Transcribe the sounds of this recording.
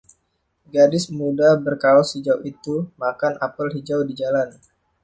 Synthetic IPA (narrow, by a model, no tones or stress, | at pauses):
ɡadɪsmudabərkalɔsid͡ʒawit̪umakanapəlɦid͡ʒawdid͡ʒalan